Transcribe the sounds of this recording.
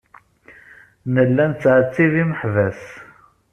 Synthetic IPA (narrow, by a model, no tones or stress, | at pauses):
nəlːænt͡sːʕət͡sːiðiməħvæs